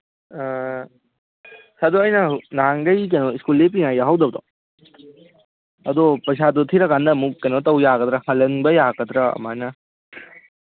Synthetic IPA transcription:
sad̪oɐjnɐnaŋɡɐjk̬ɐjnoiskulːep̬iŋajaɦawd̪ɐbd̪o | ɐd̪opɐs̬ad̪ut̪ʰiɾɐkandɐmukːɐjnotɐwjaɡɐd̪ɾɐhɐlɐnbɐjaɡɐd̪ɾɐɐ̰manɐ

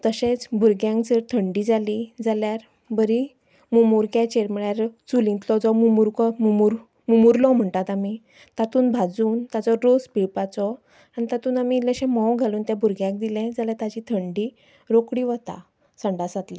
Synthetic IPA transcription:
t̪əɕẽt͡sbʱuɾɡjãŋkd͡zəɾt̪ʰəɳɖid͡zalid͡zaljaɾ | bəɾi | mumuɾkjat͡ɕeɾməɭjaɾt͡sulĩnt̪lɔd͡zɔmumuɾkɔmumuɾ | mumuɾlɔm̤əɳt̪at̪ami | t̪at̪uːnbʱad͡zuːnt̪at͡sɔɾospiɭpat͡sɔ | anit̪at̪uːnamiləɕɛ̃mɔ̃wɡʱaluːnt̪jãbʱuɾɡjãk̚d̪ilɛ̃d͡zaljat̪at͡ɕit̪ʰəɳɖi | ɾokɽiːʋət̪a̰ | səɳɖasat̪lĩ

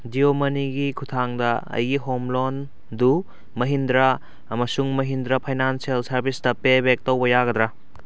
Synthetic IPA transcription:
diomɐniɡikʰutʰaŋdɐɐ̰jɡiɦomlon | du | mɐɦind̪ɾɐː | mɐsuŋmɐɦindɾɐpʰɐjnanselsɐɾbistɐpebek̚towbɐjaɡɐd̪ɾɐ

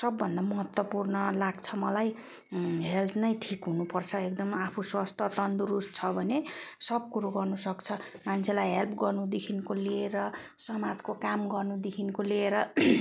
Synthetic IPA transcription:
sʌbːʌnd̪amʌɦʌt̪wʌpurnʌlaɡt͡sʰʌmʌlaj | ɦelt̪ʰnʌjʈʰikɦunupʌrt͡sʰʌekd̪ʌmapʰuswast̪ʌt̪ʌnd̪uɾust̪̚t͡sʰʌbʱʌnesʌb̚kuɾoɡʌrnusʌkt͡sʰʌ | mant͡sʰelajɦelpʰɡʌrnud̪ekʰinkolieɾʌ | sʌmad͡zkokamɡʌrnud̪ekʰinkoleeɾʌ

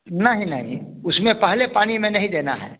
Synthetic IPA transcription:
nɐɦĩnɐɦḭ̃ | ʊsmẽpɐɦlepaːñimẽnɐɦĩd̪eːna̰ɦɛ̰ː

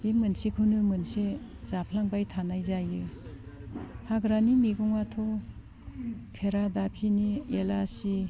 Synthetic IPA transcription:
bimɯnsikʰɯnɯmɯnse | z̥apʰlaŋbajtʰanajzajɯ | haɡɾanimiɡɔŋwatʰɔ | kʰeɾadapʰinielasi

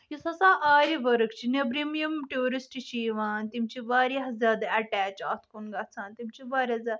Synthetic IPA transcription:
jisʰɐsaːʔaːɾʲiʋɐɾɨkt͡ʃʰinebɾimijɐmʈoːɾisʈiʃiːʋaːnt̪imt͡ʃiʋaːɾʲiɦɐzʲaːd̪aɐʈæːt͡ʃaːt̪ʰkunɡɐt͡sʰãːnt̪imt͡ʃʰiʋaːɾʲazʲaːd̪

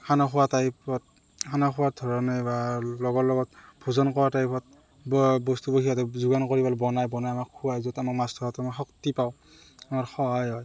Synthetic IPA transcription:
kʰanaxʰuwatajpɔt̚ | kʰanaxʰuwadʱɔɹɔnebalɔɡɔɹlɔɡɔt̚bʰʱɔzɔnkɔɹatajpʰɔt̚ | bbɔstubɔkʰiatazuɡankɔɹibalbɔnajbɔnajamakʰːuwajzɔtamakmastʰɔɔtamaxɔktipaw | amaɹxɔjɔj

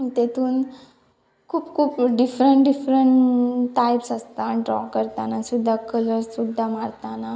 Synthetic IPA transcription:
it̪et̪uːn | kʰuːpkʰuːpɖifɾəɳʈɖifɾəɳʈʈːajpsast̪aɖɾɔ̰kəɾt̪anasud̪ʱːakələɾsud̪ʱːamaɽt̪ana

